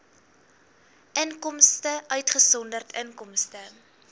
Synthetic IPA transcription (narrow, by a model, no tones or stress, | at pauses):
ʔəŋkɔmstəʔœɥtχəsɔndərtʰəŋkɔmstə